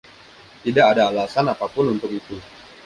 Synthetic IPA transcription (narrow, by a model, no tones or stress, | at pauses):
t̪idakadaːlasanapapʊnunt̪ʊkit̪u